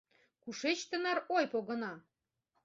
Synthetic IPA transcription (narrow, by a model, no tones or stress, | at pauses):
kuʃet͡ɕt̪ə̆nɑɾojpoɣɤ̆nɑ